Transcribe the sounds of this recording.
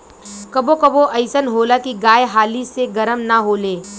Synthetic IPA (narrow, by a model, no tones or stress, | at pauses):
kɐbokɐboʔɐɪsənɦoːlakiɡaːjeɦaːliseɡɐɾəmnaɦoːleː